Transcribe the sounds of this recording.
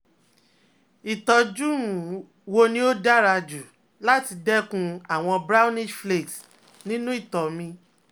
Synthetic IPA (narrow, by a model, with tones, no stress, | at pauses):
i˨tɔ˧d͡ʒũ˦˨ | wo˧nĩ˦o˦da˦˨ɾa˧d͡ʒu˨ | la˦ti˧dɛ˦kũ˧a˨w̃ɔ̃˧bɾa˦nĩ˦ʃfle˦˨t | nĩ˦nũ˦i˦˨tɔ˨mĩ˧